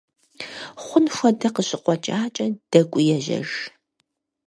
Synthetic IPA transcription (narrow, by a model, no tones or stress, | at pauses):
χʷʊnxʷɐdɐqəɕʼɪqʷʼɔt͡ʃʼaːt͡ʃʼɐd̥ɐkʷʼʊjɛʒɐ̰ʒ